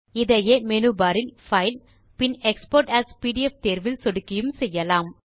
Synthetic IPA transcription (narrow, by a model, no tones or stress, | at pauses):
ɪðɐjeːmɛnɯbaːɾɪnfɐɪl | pɪnɛkspoːɾʈæːspiːʈɪɛft̪eːɾʋɪlsɔɽɯkːɪjɯmsɛjːɐlaːm